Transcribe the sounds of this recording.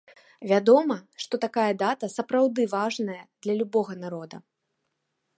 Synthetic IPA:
vʲad̪ɔmɐʂt̪ɔt̪akajɐd̪at̪ɐsɐpɾawd̪ɨvaʐnɐjɐd̪lʲɐlʲubɔɣɐnaɾɔd̪ɐ

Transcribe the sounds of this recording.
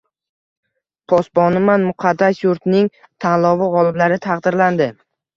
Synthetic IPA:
pʰɒsbɒnɪmanmʊqʰɑd̪ːasjuɾt̪nɪŋ | t̪ʰanlˠɒvɪʁɒlˠɪblaɾɪt̪ʰɑqd̪ɪɾland̪ɪ

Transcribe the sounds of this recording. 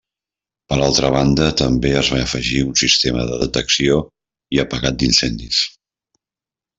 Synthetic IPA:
pəɾalˠt̪ɾəβand̪ət̪əmbeəzβaəfəʒiunsist̪emə̰ðəðət̪əksio | iəpəɣat̪̚d̪insɛnd̪is

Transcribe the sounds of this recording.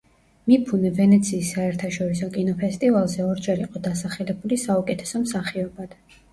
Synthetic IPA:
mipʰunɛvɛnɛt̪sʰiːsːaɛɾt̪ʰaʃɔɾisɔkʼinɔpʰɛst̪ʼivalˠzɛɔɾd͡ʒɛɾiqʼɔd̪asaχɛlɛbulisaukʼɛt̪ʰɛ̥sɔmsaχiɔbad̪̥

